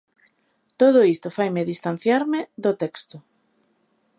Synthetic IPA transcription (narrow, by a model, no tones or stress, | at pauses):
t̪oð̞ʊist̪ofajmeðist̪an̟θjaɾmɪd̪ot̪ɛkst̪ʊ